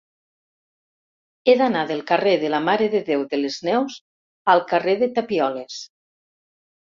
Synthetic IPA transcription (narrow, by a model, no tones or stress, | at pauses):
eðanaðelˠkareðelamaɾeðeðewðeleznɛwz | alˠkareðet̪apiɔles